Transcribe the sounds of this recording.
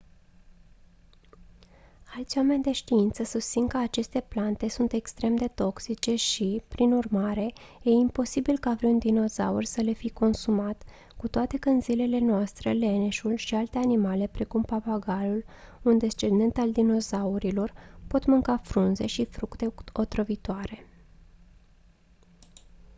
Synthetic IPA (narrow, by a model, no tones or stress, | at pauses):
alt̪sʲjwame̞nʲd̪e̞ʃt̪iint̪səsust̪siŋkəat͡ʃe̞st̪e̞plant̪e̞sunt̪e̞kst̪ɾe̞md̪e̞t̪o̞ksit͡ʃe̞ʃipɾinurmaɾe̞je̞impo̞sibilkaːvɾeund̪ino̞za̰urʲsəle̞fijko̞nsumat̪ | kut̪oat̪e̞kəɨnzile̞le̞noast̪ɾele̞neʃulʃialt̪e̞animale̞pɾe̞kumpapaɡalul | und̪e̞st͡ʃe̞nd̪e̞nt̪ald̪ino̞zauɾilo̞rpo̞t̪mɨŋkafɾunze̞̰ʃifɾukt̪eo̞t̪ɾəvit̪oaɾe̞